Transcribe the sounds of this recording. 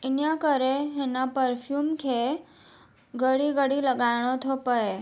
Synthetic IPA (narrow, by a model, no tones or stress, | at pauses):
ɪnjakəɾeɦenapəɾfʰjuːmkʰe | ɡəɽiɡəɽiləɡaɽ̃ot̪ʰopəe